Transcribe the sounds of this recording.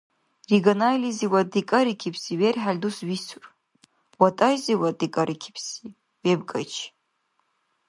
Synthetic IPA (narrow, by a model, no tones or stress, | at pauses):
riɡanaliziwadikʼaɾikʲʰipʰsiɥerħalʲdusɥisʰur | watʼajziwadikʼaɾʔikʲʰi̥pʰsi | webkʼa̰jt͡ʃʰ